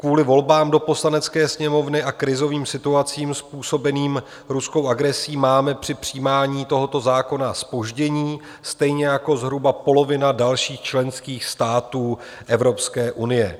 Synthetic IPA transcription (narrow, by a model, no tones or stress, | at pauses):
kvuːlɪvo̞lbaːmdo̞po̞slanɛt͡skɛːsɲɛmo̞vnɪʔakɾɪzo̞viːmsɪt̪uat͡siːmspuːso̞bɛniːm | ɾusko̞wʔaɡɾɛsiːmaːmɛpr̝̥ɪpr̝̥iːmaːɲiːt̪o̞ɦo̞t̪o̞zaːko̞naspo̞ʒɟɛɲiː | st̪ɛjɲɛjako̞zɦɾubapo̞lo̞vɪnadalʃiːxt͡ʃlɛnskiːxst̪aːt̪uː | ʔɛvɾo̞pskɛːʔunɪjɛ